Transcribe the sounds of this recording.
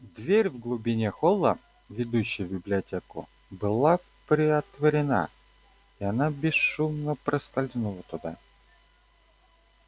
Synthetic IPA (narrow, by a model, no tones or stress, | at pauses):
d̪vʲeɾʲvɡlˠʊbʲɪnʲexolˠːə̰ | vʲɪd̪uɕːɪjəbʲɪblʲɪɐtʲekʊ̰ | bɨlˠa | pɾʲɪɐt̪vəɾʲɪna̰ | iɐnabʲɪsʃumnəpɾəsk̪ɐlʲznulˠət̪ʊd̪a